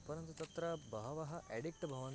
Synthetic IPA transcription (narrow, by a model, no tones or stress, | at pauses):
pɐɾɐnt̪ut̪ɐt̪ɾɐbʱɐɦɐʋɐɦɐʔɛɽik̚ʈbʱɐʋɐn